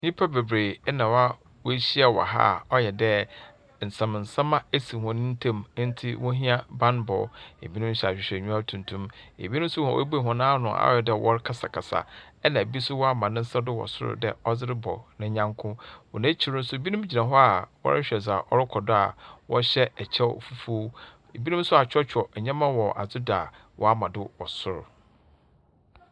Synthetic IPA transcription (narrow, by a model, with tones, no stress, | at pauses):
ɲĩ˦pʰa˦be˨bɾe˨˦nã˨wa˦ | wɔ˦ɕi˦a˨wɔ̰˨ɦa̰˦˨ɔ˦jɛ˨dɛ˦ | n̩˨sã˨m˨n̩˨sã˦mã˦e˦si˨hɔ̃˨nɪ̃˦n̩˦tʰã˦˨m˦n̩˦tʰɪ˦wɔ̃˦ɦĩ˦a˦bã˦nbɔ̰˨ḛ˨bi˦nʊ̃˦m˦ɕɛ˨a˨ɕᶣɪ˨ɕᶣɛ˨ɲᶣũ˦a˦tʰũ˨ntʰũ˦mḛ˨bi˦nʊ̃˦m̩˦sʊ˦hã̰˨ʔo̰˦be˨ɦɔ̃˨nãː˦nʊ̃˨a̰˦ɔ̰˦jɛ˨dɛ˦˨wʔɔ̰˦ɾkʰa˦sa˨kʰa˨sa̰˨ɛ˦nã˨e˨bi˦sʊ˦wɔ˦a˦mã˨nɪ̃˦n̩˦sa˦dʊ˦wɔ̰˨sʊ̰˦ɾʊ̰˦dɛ̰˨ɔ˦d͡zɪ˦ɾɪ˦bɔ˨nɪ̃˦ɲã˦ŋkʰʊ̃˦wɔ˨nã˦t͡ɕʰi˦˨ɾʊ̃˦n̩˦sʊ˦e˨bi˦nʊ̃˦m˦d͡ʑi˨nã˨ɦɔ˦a˨wɔ̰˦ɾɪ˦ɕᶣɛ˨sa˨ʔɔ˦ɾɪ˦kʰɔ˨dʊ˦a˨wɔ˦ɕɛ˦ɛ˨t͡ɕʰɛ˦˨fu˦fo˦ | e˨bi˦nʊ̃˦m˦sʊ˦a˨t͡ɕᶣʰɔ˦t͡ɕʰᶣɔ˨ɛ˨ɲã˦mã˦wɔ˨ʔa̰˨d͡zʊ˦da̰˨ | wɔ̰˦a˦mã˨dʊ˦wɔ˨sʊ˦ɾʊ̰˨